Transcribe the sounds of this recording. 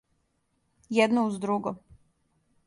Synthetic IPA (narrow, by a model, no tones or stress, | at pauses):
jɛd̪nouzd̪ɾuɡo